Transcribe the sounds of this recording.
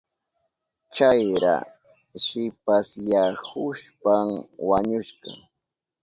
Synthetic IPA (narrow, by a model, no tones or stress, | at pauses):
t͡ʃajɾa̰ | ʃɪpasjahʊʃpamwaɲʊʃɢɑ̰